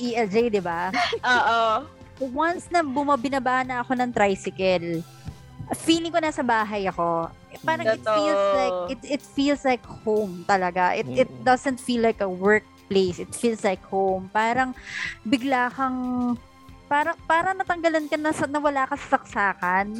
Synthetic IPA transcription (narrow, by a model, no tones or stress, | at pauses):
ʔiɛld͡ʒejd̪ɪbaoːʔo | wɐnsnɐbʊmɐbɪnɐbaːnɐɐko̞nɐŋt̪ɾajsɪkɛl | ʔfiːlɪŋkonasɐbaːɦɐjɐko̞ | paːɾɐŋɪt̪fiːlslajkɪt̪̚ʔɪt̪fiːlslajkhowmt̪ɐlɐɡaʔɪt̪̚ɪt̪̚d̪ɐzɛnt̪fiːlːajkɐwɛɹk̚plejsɪt̪fiːlslajkhowmpaːɾɐŋbɪɡlaːkɐŋ | paːɾɐŋpaːɾɐŋnɐt̪ɐŋɡɐlɐnkɐnɐsɐnɐwɐlaːkɐsɐ̥sɐksaːkɐn